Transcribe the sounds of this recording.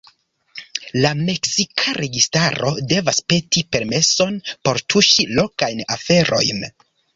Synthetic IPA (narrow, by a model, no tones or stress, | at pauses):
lame̞ksikʰaɾe̞ɡistaɾo̞̰de̞vaspe̞tipe̞ɾme̞so̞npo̞ɾtʰuʃilo̞kajnafe̞ɾʔo̞̰jn